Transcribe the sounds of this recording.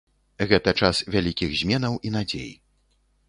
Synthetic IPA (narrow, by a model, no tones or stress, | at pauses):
ɣɛt̪ɐt͡ʂasvʲalʲikʲiɣzʲmʲɛnɐwʔinad͡zʲḛj